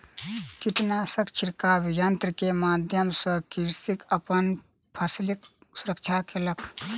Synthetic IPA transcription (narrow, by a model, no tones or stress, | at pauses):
kiʈnasəkt͡ʃʰiɾkabjənt̪ɾəkemaːd̪ʱjəmsəkiɾsikəpən | pʰɐslik | sʊɾək̚t͡ʃʰakʰeləkʰ